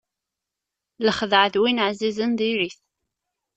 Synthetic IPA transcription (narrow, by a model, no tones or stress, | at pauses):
ləχəðəʕðwinʕzizənðiɾiθ